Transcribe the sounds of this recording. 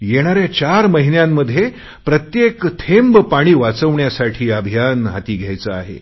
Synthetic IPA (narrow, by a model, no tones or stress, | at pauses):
jeɽ̃aɾjat͡ɕaɾməɦinjamːəd̪ʱje | pɾət̪jekt̪ʰembpaɽ̃iːʋat͡səʋɳjasaʈʰiːəbʱijanɦat̪iːɡʱjajt͡səaɦḛ